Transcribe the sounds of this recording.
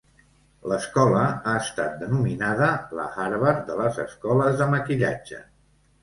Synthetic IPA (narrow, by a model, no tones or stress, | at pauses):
ləskɔləaəst̪at̪̚d̪ənuminaðələ̰ɣaɾβəɾd̪ələzə̰skɔləzðəməkiʎa̰d͡ʒə̰